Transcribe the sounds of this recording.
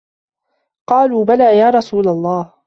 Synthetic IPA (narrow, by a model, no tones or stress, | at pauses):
qɑːluːbalaːjaːɾˤɑsuːlalˤːɑːh